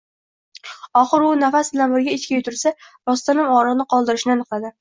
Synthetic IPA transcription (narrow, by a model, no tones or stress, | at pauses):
ɒχɨɾʊnafasbɪlanbɪɾɡʲaet͡ʃkʲajʊt̪ʰʊɾsa | ɾɒst̪anɪmɒɾɨʁnɪqʰɒlˠd̪ɪɾɪʃɪnɪanɨqlad̪ɪ